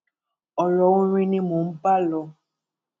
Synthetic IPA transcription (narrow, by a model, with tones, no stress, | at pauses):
ɔ˨lɔ˨wũ˦ɾĩ˦nĩ˦mũ˨m̩˦pa˦lɔ˨